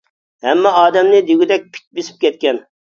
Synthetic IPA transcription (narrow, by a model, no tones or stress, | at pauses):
hɛmːɛɑːd̪ɛmnɪd̪eɡʲid̪ɛk̚ʲpʰi̥t̪̚ʲbesɪ̥p̚kʲɛt̪̚kʲɛn